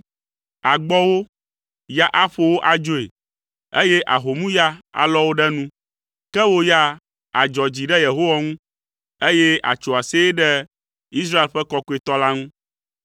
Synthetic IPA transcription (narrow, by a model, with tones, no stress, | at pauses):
a˨ɡ͡bɔ˦wo˦ | ja˦ʔa˦ɸo˦wo˦ʔa˨d͡ʒo˦ḛ˨ | e˦je˦ʔa̰˨ɦo˨mũ˦ja˦a̰˨lɔ˦wo˦ɖɛ˦nũ˦ | kɛ˦wo˦ja˦ | a˨d͡ʒɔ˨d͡ʑi˨ɖɛ˦je˨ɦo˦wa˦ŋũ˦ | e˦je˦a̰˨t͡ʃo˨a˨se˦ɖɛ˦ | i˦s̬ɾa˦e˨lɸɛ˦kɔ˦ko˦e˨t̪ɔ˦la˦ŋũ˦